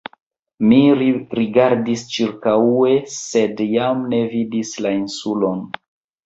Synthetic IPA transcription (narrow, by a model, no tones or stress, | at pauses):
miɾiɡaɾdist͡ʃiɾkaue̞se̞djamne̞vidislainsulo̞n